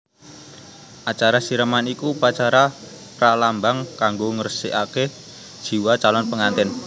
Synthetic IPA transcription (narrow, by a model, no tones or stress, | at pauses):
ʔat͡ʃaɾasiɾəmanikupat͡ʃaɾa | pɾalambaŋkaŋɡoŋərsiʔake | d̥ʒ̥i̤wat͡ʃalɔnpəŋant̪ɪn